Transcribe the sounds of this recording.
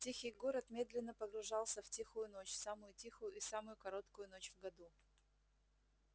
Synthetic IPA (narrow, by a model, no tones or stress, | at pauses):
tʲixʲɪjɡoɾət̪mʲe̞d̪lʲɪnːəpəɡɾʊʐɑlˠsʲəftʲixʊjʊno̞t͡ɕsamʊjʊtʲixʊjʊʔisamʊjʊkɐɾo̞t̪kʊjʊn̪o̞t͡ɕvɡɐd̪u